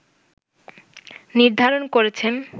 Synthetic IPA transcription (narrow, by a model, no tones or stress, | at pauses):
niɾd̪ʱaɾonkoɾet͡ɕʰen